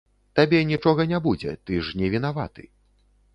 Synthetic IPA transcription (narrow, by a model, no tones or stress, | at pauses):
t̪abʲɛnʲit͡ʂɔɣɐnʲabud͡zʲɛ̰t̪ɨʂnʲɛvʲin̪ava̰t̪ɨ̰